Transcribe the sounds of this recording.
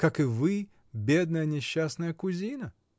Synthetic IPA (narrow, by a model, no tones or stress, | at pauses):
kakɨvɨ | bʲed̪̚nəjənʲɪɕːasnəjəkʊzʲinə